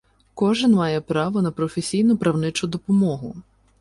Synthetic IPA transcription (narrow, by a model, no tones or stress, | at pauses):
kɔʒɪnmɑjɛpɾɑʋɔnɐpɾɔfesʲijnʊpɾɐwnɪt͡ʃʊd̪ɔpɔmɔɦʊ̰